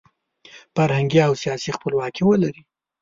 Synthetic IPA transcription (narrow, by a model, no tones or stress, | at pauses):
faɾhaŋɡjiawsijɑsixpəlwɑkʰewəlaɾi